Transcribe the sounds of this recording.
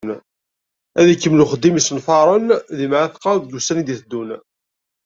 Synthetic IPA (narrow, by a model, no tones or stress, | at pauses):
n | æðikːəmːluχəd̪ːimisənfɑɾˤənðimʕæθqːɑwðɡusænid̪iθd̪ːun